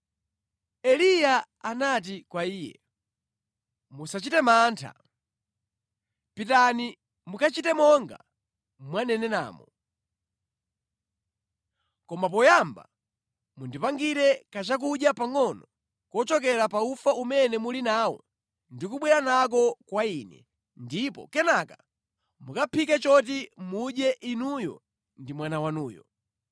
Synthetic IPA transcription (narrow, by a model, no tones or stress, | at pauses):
ɛlija | anat̬ikwaiːjɛ̰ | musat͡ʃitɛmaːntʰa̰ | pitani | mukat͡ʃitɛmɔŋɡa̰ | mwanɛnɛna̰ːmɔ | kɔmap̬ɔjamba̰ | mundipaŋɡiɾɛkat͡ʃak̬uɗjapaŋɔnɔ | kɔt͡ʃɔk̬ɛɾapaufaumɛnɛmulinawɔ̰ | ndikuɓwɛɾanak̬ɔkwainɛ̰ | ndipɔ̰kɛnaka | mukapʰikɛt͡ʃɔt̬imuɗjɛʔinujɔ̰ | ndimwanawanuːjɔ̰